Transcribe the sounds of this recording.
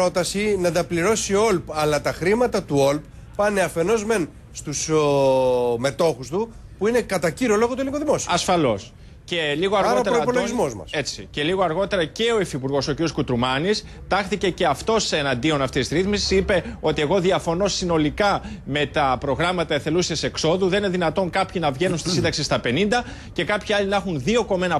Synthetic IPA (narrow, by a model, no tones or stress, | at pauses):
o̞t̪ɐsinɐnd̪ɐpliɾo̞sio̞lpɐlɐt̪ɐxɾimɐt̪ɐt̪uo̞lp | pɐne̞ɐfe̞no̞zme̞n | st̪us | me̞t̪o̞xust̪upuine̞kɐt̪ɐciɾolo̞ɣo̞t̪ueliŋɡoðimo̞siɐsfɐlo̞s | ce̞liɣoɐɾɾoɐot̪ɾoipo̞lo̞ɣizmo̞zmɐ̰se̞t͡sice̞liɣoɐɾɣo̞t̪e̞ɾɐce̞o̞efipuɾɣo̞so̞ciɾioskut̪ɾumɐnis | t̪ɐxθice̞ce̞ɐft̪o̞seenɐnd̪io̞nɐft̪issɾiθmisi̥sipe̞o̞t̪ie̞ɣo̞ðiɐfo̞no̞sino̞likɐme̞t̪ɐpɾo̞ɣɾɐmɐt̪ɐeθe̞lusiɐse̞kso̞ðuðnineðinɐt̪o̞ŋkɐpçinɐvʝe̞nunst̪isind̪ɐksist̪ɐpe̞nind̪ɐ | ce̞kɐpçiɐlinɐxunðio̞ko̞me̞nɐ